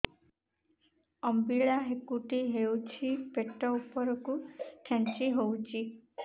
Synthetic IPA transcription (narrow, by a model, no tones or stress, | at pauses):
ɔmbiɭaɦekuʈiɦewt͡ʃʰipeʈɔupɔɾɔkuʈʰẽnt͡ʃiɦowt͡ʃʰi